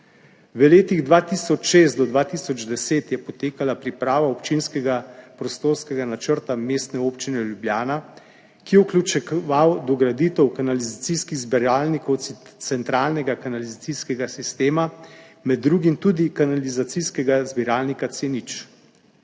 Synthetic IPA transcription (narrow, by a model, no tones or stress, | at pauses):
ʋəleːt̪iɣd̪ʋaːt̪iːsɔt͡ʃʃeːst̪d̪ɔd̪ʋaːt̪isɔd͡ʒd̪ɛseːt̪jɛpɔt̪eːkalapɾipɾaːʋaɔpt͡ʃinskɛɡapɾɔst̪oːɾskɛɡanat͡ʃəɾt̪ameːst̪nɛoːpt͡ʃinɛljubljaːna | kijɛuklʲut͡ʃɛʋawd̪ɔɡɾad̪iːt̪ɛwkanalizat̪siskiɣzbɛɾaːlnikɔw̪sɛnt̪ɾaːlnɛɡakanalizat̪siskɛɡasist̪eːma | mɛd̪ːɾuɡimt̪uːd̪ikanalizat̪siskɛɡazbiɾaːlnikat̪senit͡ʃ